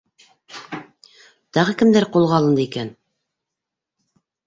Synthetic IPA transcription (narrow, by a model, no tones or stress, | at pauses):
t̪ɑʁɤkɘ̆md̪æɾqulˠʁɑlˠɤ̆nd̪ɤikæn